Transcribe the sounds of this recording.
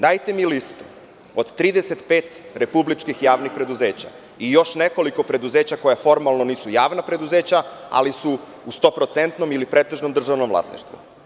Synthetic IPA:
d̪aːjt̪e̞milist̪u̥ | od̪t̪ɾiːd̪eset̪pe̞ːt̪ɾe̞publit͡ʃkixjaːʋnixpɾe̞d̪uze̞ːt͡ɕa̰ | ijo̞ʃne̞ko̞liko̞pɾe̞d̪uzeːt͡ɕako̞jafo̞ɾmalno̞niːsujaːʋnapɾe̞d̪uzeːt͡ɕaa̰lisu | ust̪o̞ːpɾo̞t̪se̞nt̪no̞milipɾet̪e̞ʒnomd̪r̩ʒaʋnomʋlˠa̰snḭʃt̪ʋṵ

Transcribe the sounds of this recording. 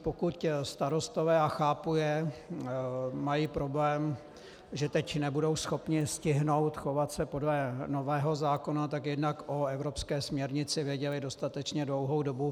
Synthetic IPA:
pokucst̪aɾo̞st̪ovɛːaxaːpujɛ | majiːpɾo̞blɛːm | ʒɛt̪ɛcnɛbudo̞wsxo̞pɲɪscɪɦno̞wt̪xo̞vat̪sɛpodlɛno̞vɛːɦo̞zaːko̞nat̪akjɛdnakʔo̞ɛvɾo̞pskɛːsmɲɛɾɲɪt͡sɪvjɛɟɛlɪdo̞st̪at̪ɛt͡ʃɲɛdlo̞wɦo̞wdo̞bu

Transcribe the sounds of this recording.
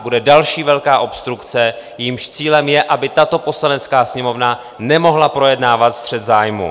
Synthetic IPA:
budɛdalʃiːvɛlkaːʔo̞pst̪ɾukt͡sɛ | jimʃt͡siːlɛmjɛʔabɪt̪at̪o̞po̞slanɛt͡skaːsɲɛmo̞vna | nɛmo̞ɦlapɾo̞jɛdnaːvat̪st̪r̝̥ɛt̪zaːjmṵ

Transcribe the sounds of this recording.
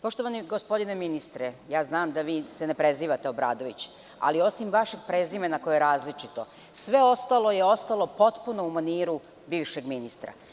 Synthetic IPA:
po̞ʃt̪oʋaniɡospo̞d̪ineminist̪ɾejaːznaːmd̪aʋiːsenepɾe̞ziːʋat̪eobɾa̰ːd̪o̞ʋit͡ɕ | a̰lio̞simʋaʃeɡ̚pɾezimenako̞jejɾaːzlit͡ʃit̪o̞ | sʋe̞o̞st̪alˠo̞jeost̪alo̞po̞t̪puno̞umaniːɾu | biːʋʃe̞ɡminist̪ɾa̰

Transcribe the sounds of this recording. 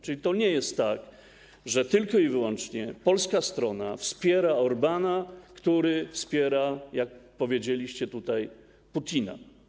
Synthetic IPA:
t͡ʂɘlʲit̪ɔɲɛjɛst̪ːak | ʐɛt̪ɘlkɔivɘwɔnt͡ʂɲɛpɔlskast̪ɾɔnafspʲjɛɾaɔɾbanakt̪uɾɘfspʲjɛɾajak̚pɔvʲjed͡ʑelʲiɕt͡ɕɛt̪ut̪aj | put̪ʲina̰

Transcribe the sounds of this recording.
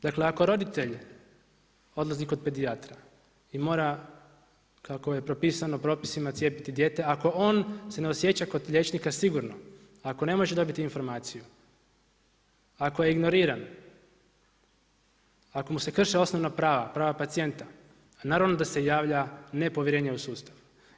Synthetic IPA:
d̪akle̞ako̞ɾo̞d̪it̪e̞ʎ | o̞d̪lˠaziko̞d̪̚pe̞d̪iat̪ɾa | imo̞ːɾa | kako̞je̞pɾo̞piːsanopɾo̞ːpisimat̪sjepit̪id̪je̞ːt̪e̞ako̞o̞ːnse̞neosje̞t͡ɕako̞d̪ʎe̞t͡ʃnikasiɡuɾno̞ | ako̞ne̞mo̞ʒed̪o̞bit̪iinfo̞ɾmaːt̪siju | akoje̞iɡno̞ɾiːɾan | ako̞muse̞kr̩ʃeo̞sno̞ʋnapɾaːʋapɾaːʋapat̪sije̞nt̪a | naːɾaʋno̞d̪ase̞jaːʋʎane̞po̞ʋjeɾe̞ːɲausuːst̪aʋ

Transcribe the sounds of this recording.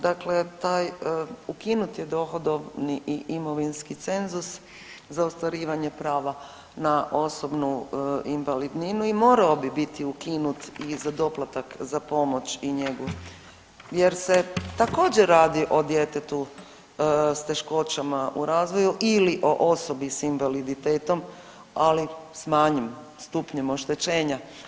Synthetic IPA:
d̪akle̞t̪aːjukinut̪jed̪o̞ːxod̪o̞ʋniʔiʔimo̞ʋinskit̪se̞nzus | zaost̪ʋaɾiːʋaɲepɾaːʋa | naʔo̞so̞bnuinʋalid̪ninuimo̞ːɾaobibit̪iukinut̪izad̪o̞plat̪akzapo̞mo̞t͡ɕiɲe̞ɡu | je̞ɾset̪ako̞ːd͡ʑeɾaːd̪iʔo̞d̪jet̪et̪u | st̪e̞ʃko̞t͡ɕamaʔuɾaːzʋo̞juʔiliʔo̞ʔoso̞bisinʋalid̪it̪eːt̪o̞m | alismaːɲem | st̪upɲe̞mo̞ʃt̪e̞t͡ɕe̞ːɲa

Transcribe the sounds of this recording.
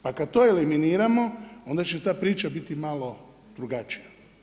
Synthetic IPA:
pakad̪̚t̪oːeliminiːɾamo̞o̞nd̪at͡ʃet̪aːpɾiːt͡ʃabit̪imalo̞ | d̪̥ɾuɡat͡ʃija

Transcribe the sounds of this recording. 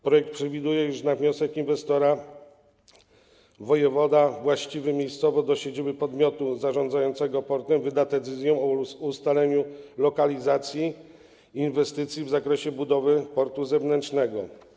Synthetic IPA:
pɾɔjɛk̚t̪pʂɛvʲid̪ujɛjuʂnavɲɔsɛkinvɛst̪ɔɾa | vɔjɛvɔd̪avwaɕt͡ɕivɘmʲjejst̪sɔvɔd̪ɔɕed͡ʑibɘpɔd̪mʲjɔt̪uzaʐɔnd̪zajɔnt̪sɛɡɔpɔɾt̪ɛmvɘd̪ad̪ɛt̪sɘzʲjɛ̃ɔust̪alɛɲulɔkalʲizat̪sʲjiː | nvɛst̪ɘt̪sʲjivzakɾɛɕɛbud̪ɔvɘpɔɾt̪uzɛvnɛntt͡ʂʂnɛɡɔ

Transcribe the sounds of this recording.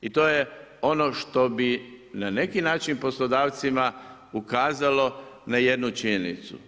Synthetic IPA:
it̪oːje | o̞no̞ʃt̪o̞binane̞kinaːt͡ʃinpo̞slo̞d̪aːʋt̪sima | ukaːzalo̞naje̞d̪nut͡ʃiɲenḭt̪sṵ

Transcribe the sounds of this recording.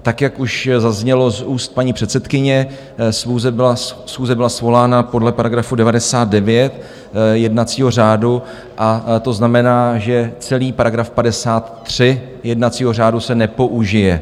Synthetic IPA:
t̪akjakuʃzazɲɛlo̞zuːst̪̚paɲiːpr̥ɛt̪sɛt̪kɪɲɛ | sxuːzɛbɪasxuːzɛbɪlasvo̞laːnapo̞dlɛpaɾaɡɾafudɛvadɛsaːt̪̚dɛvjɛt̪ | jɛdnatt͡siːɦo̞r̝aːdu | ʔat̪o̞znamɛnaːʒɛt͡sɛliːpaɾaɡɾafpadɛsaːt̪ːr̝̥ɪ | jɛdnat͡siːɦo̞r̝aːdusɛnɛpo̞ʔuʒɪjɛ

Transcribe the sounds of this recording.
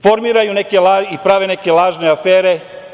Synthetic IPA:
fo̞ɾmiːɾajune̞ke̞laːipɾaʋe̞ne̞ke̞lˠaːʒne̞afeːɾe̞

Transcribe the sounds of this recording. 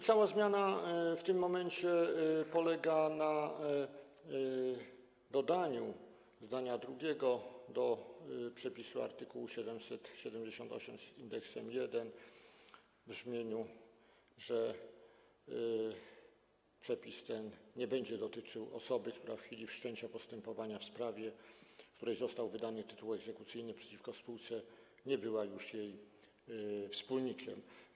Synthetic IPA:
t̪sawazmʲjanaft̪ɘmːɔmɛɲt͡ɕɛpɔlɛɡana | d̪ɔd̪aɲu | zd̪aɲad̪ɾuɡʲɛɡɔd̪ɔpʂɛpʲisua̰ɾt̪ɘkuwuɕɛd̪ɛmsɛt̪ɕɛd̪ɛmd͡ʑeɕɔnt̪ɔ̰ɕɛmzind̪ɛksɛmjɛd̪ɛn | vʐmʲjeɲu | ʐɛ | pʂɛpʲist̪ɛnɲɛbɛɲd͡ʑɛd̪ɔt̪ɘt͡ʂɘwɔ̰sɔbɘk̚t̪uɾafxfʲilʲifʂt͡ʂɛɲt͡ɕapɔst̪ɛmpɔvaɲafspɾavʲjɛkt̪uɾɛjzɔst̪awvɘd̪anɘt̪ɘt̪uwɛɡzɛkut̪sɘjnɘpʂɛ̥t͡ɕifkɔfspuwt̪sɛ | ɲɛbɘwajuʂjej | fspulɲikʲɛ̰m

